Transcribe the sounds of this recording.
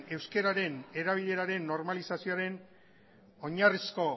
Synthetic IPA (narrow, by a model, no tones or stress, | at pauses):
e̞wske̞ɾaɾe̞ne̞ɾaβ̞iðe̞ɾaɾe̞nːo̞ɾmalisasio̞aɾe̞n | o̞ɲarisko̞